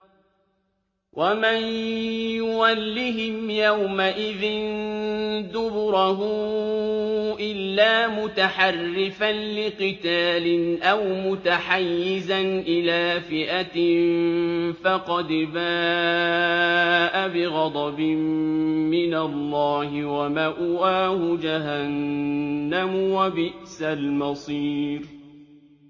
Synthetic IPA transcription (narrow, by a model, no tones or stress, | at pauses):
wʔamanjʊwalːiɦɪmjawmaʔɪðɪn | d̪ʊbʊɾaɦʊ | ʔɪlːaːmʊt̪aħɑrːɪfanlɪqɨt̪aːlɪnʔawmʊt̪aħajːɪzanʔɪlaːfɪʔat̪ɪmfɑqɑd̪baː | ʔabɪɣɑd̪ˤɑbɪmmɪnalːɑːhɪwamaʔʊwaːhʊd͡ʒaɦanː | amwabɪʔsalmɑsˤiːɾ